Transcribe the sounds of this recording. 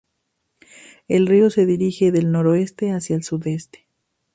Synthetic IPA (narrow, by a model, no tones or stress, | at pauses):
e̞lrio̞se̞ðiɾixe̞ðe̞lno̞ɾo̞e̞st̪e̞asjaelsuðe̞st̪e̥